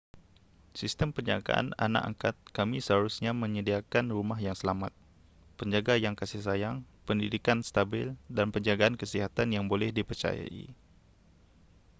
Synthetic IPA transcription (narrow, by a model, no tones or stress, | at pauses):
sist̪əmpərɲa̰ɡa̰ʔa̰na̰na̰ʔa̰ŋkat̪̚kamisəɦaɾusɲaməɲədiakanrumaɦjaŋsəlamat̪̚ | pəɲd͡ʒaɡajaŋkasɪhsajaŋpəndidikanst̪abɪldanpəɲd͡ʒaɡaankəsiɦat̪anjaŋbolɛhdipərt͡ʃa̰ja̰ʔḭ